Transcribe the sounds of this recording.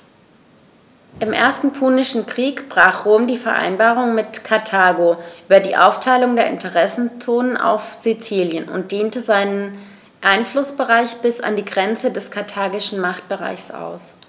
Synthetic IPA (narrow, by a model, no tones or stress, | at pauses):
ʔɪmʔḛːɐstn̩pʰuːnɪʃn̩kʁ̥iːkb̥ʁaːχʁ̥oːmdiːfɛɐʔa̰ɪnbaːʁ̞ʊŋmɪtkʰaɐtʰaːɡoʔyːbɐdiːʔaʊftʰaɪlʊŋdeːɐɪ̰ntʰəʁɛsn̩t͡soːnənʔa̰ʊfz̥it͡siːljənʊ̰nt̚d̥eːntəzaɪnən | ʔaɪnflʊsb̥əʁaɪçb̥ɪsa̰ndiːɡʁɛnt͡sədɛskʰaɐtʰaːɡɪʃn̩maχt̚b̥əʁa̰ɪçsʔa̰ʊs